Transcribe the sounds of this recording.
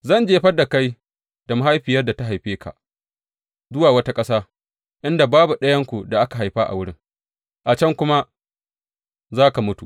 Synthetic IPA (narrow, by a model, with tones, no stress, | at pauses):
zɐ˦˨nd͡ʒeː˦ɸɐ˦da˨ka˦j | d̥a˨ma˦ɦa˦jɸɪ˨jɐ˦da˨ta˦ɦa˨jɸeː˦kʰa̰˨ʔ | zʊ˦waː˨wɐ˦ta˦kʼɐ˦saː˦ | ʔɪ˦nda˨baː˦bu˨ɗɐ˦jɐ˦ŋkʷu˨da˨ʔa˦ka˨ɦa˨jɸa˦ʔa̰˨wʊ˦ɽɪ˦ŋ | ʔa˨t͡ʃɐ˦ŋkʷʊ˦ma˦ | zaː˦ka˨mʊ˦tṵ˨